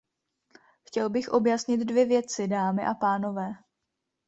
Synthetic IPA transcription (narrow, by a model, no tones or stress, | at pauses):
xcɛlbɪxʔo̞bjasɲɪt̪dvjɛvjɛt͡sɪdaːmɪʔapaːno̞vɛː